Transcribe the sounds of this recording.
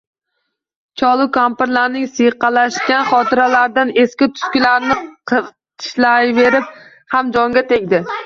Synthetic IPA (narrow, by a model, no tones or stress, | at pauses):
t͡ʃʰɒlˠʊkʰampɪɾlaɾnɪŋsɨjqɑlaʃkʲanχɒt̪ʰɪɾalaɾd̪ane̞skʲɪt̪ʰʊ̥skʲɪlaɾnɪqʰɨɾt̪ʰɪ̥ʃlajve̞ɾɪp̚ | hamd͡ʒɒŋɡʲat̪ʰe̞ɡʲd̪ɪ